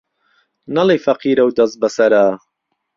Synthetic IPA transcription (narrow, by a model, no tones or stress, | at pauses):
nɐleːfɐqʰiːɾɐwd̪ɐst̪̚bɐsɐɾaː